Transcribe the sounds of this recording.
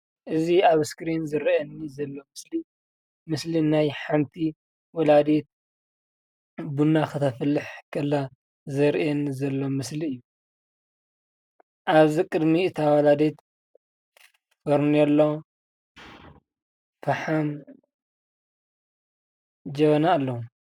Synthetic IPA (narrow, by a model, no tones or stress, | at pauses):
ʔɨziaβskɾinzɨɾɐɐnːizɐlːo̞mɨsli | mɨslinajħamt̪ʰi | wɔlad̪et̪̚ | bunakɨt̪ʰɐfɨlːɨħkʰɐlːa | zɐɾʔɛnːizɐlːo̞mɨsliɨjːu | ʔaβikʼɨd̪miɨt̪ʰawɐlad̪et̪ | fɐɾnɛlːo | fɐħam | d͡ʒɐβɐnaːlːɐhu